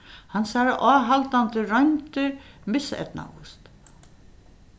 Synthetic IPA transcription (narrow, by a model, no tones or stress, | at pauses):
hansaɾaʔaːɦalt̪ant̪ɪɾɔjnt̪ɪɾmɪsɛ̰t̪na̰wʊ̰st̪